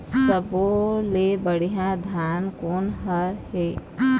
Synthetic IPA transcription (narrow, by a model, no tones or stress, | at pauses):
səbolebəɽijãd̪ʱjaːnkoːnɦəɾɦeː